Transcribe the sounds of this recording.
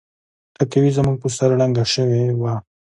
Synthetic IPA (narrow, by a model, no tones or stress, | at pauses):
t̪akawizəmuɡ̚pəsaɾɽaŋɡaʃəwewa